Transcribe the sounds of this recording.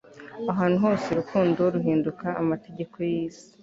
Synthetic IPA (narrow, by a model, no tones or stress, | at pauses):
aɦaːn̥uɦo̞ːse̞ɾukuːndoɾuɦiːndukaːmate̞ɟe̞kʰo̞jiːsi̥